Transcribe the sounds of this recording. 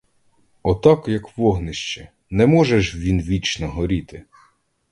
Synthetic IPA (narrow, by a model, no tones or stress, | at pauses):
ɔt̪ɑkjɐkʋɔɦnɪʃt͡ʃɛ | nɛmɔʒɛʃʋʲinʋʲit͡ʃnɔɦɔɾʲit̪ɪ